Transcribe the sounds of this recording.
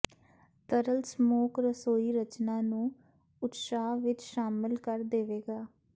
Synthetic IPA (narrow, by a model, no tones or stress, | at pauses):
t̪əɾəlsmoːkɾəsoːiːɾət͡ʃnãːnũː | ʊt̪saːʋɪt͡ʃʃaːmɪlkəɾd̪eːʋeːɡaː